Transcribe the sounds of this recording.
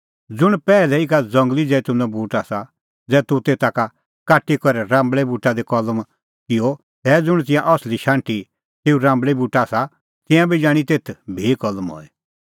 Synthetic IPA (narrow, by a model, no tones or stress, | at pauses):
d͡zʊɽ̃pɛːlɛikad͡zɐ̃ŋɡlid͡zɛːt̪ʊ̃nɔ̃buːʈasa | d͡zɛːt̪ut̪eːt̪aka | kaːʈːikɔɾɛɾãːmbɭɛbuːʈːad̪ɛkɔləm | kɪɔ | t̪ɛːd͡zʊɽ̃t̪̬ɪ̃jãʔɔsliʃãːɳʈi | t̪eːuɾãːmbɭɛbuːʈaːsa | t̪ɪ̃jãbʱid͡ʒãːɽ̃it̪eːt̪ʰbʱeːkɔlmɦɔ̰ːɛ